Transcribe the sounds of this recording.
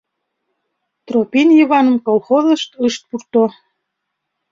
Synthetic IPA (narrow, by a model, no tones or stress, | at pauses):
t̪ropinjiβɑnəmkolˠxozə̆ʃt̪əʃt̪̚purt̪o